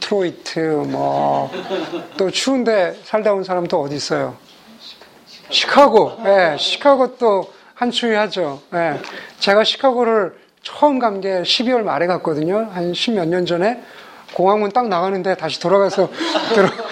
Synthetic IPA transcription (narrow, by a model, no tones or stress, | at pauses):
tʰɾoitʰɯmwʌ | t͈ot͡ɕʰuːnde̞sʰaɭdaonsʰaɾamdoʌdis͈ʌjo | ɕʰi̥kʰaɡoje̞ɕʰi̥kʰaɡot͈o | hant͡ɕʰuihad͡ʑoje̞t͡ɕe̞ɡaɕʰi̥kʰaɡoɾɯɭ | t͡ɕʰʌɯmɡamɡe̞ɕʰibiwʌɭmaɾe̞ɡak̚k͈ʌdɯɲohanɕʰimjʌɲʌnd͡ʑʌne̞ | koŋɦaŋunt͈aŋnaɣanɯnde̞taɕ̬ʰi̥toɾaɡasʰʌttɯɾʌ